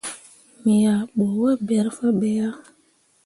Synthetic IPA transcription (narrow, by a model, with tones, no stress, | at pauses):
mi˨ja˨ɓo˨˦wa˦bɛ˨ɾfa˦ɓɛ˨ja˦